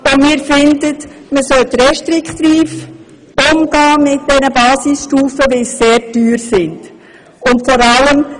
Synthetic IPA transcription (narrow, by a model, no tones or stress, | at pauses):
ʊnmiːɾfɪndət | məsœlt̪ɾɛʃtɾɪkt̪iːf | ʊmɡ̥ɑːmɪt̚d̥ɛnəbɑːsisʃtuːfəʋesːeːɾtyːɾsɪnd̥ | ʊntfɔɾɑləm